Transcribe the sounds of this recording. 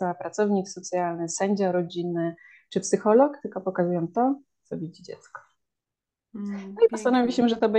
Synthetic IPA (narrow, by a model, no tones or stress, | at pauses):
apɾat̪sɔvɲiksɔt̪sʲjalnɘsɛɲd͡ʑaɾɔd͡ʑinːɘ | t͡ʂɘpsɘxɔlɔkt̪ɘlkɔpɔkazujɔmt̪ɔ | t̪sɔbʲid͡ʑd͡ʑɛ̰t̪skɔ̥ | nɔipɔst̪anɔvʲiɕɛʐɛt̪ɔbɛ